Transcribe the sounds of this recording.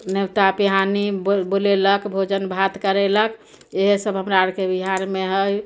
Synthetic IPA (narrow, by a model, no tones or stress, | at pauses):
newt̪apiɦanibboleləkbʱod͡ʒənbʱat̪kəɾelək | eɦsəbɦəmɾaɾkebiɦaɾmeɦəj